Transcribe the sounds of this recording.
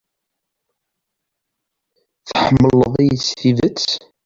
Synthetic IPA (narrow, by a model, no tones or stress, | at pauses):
θəħəmːəlːəðˤijəsθiðət͡sː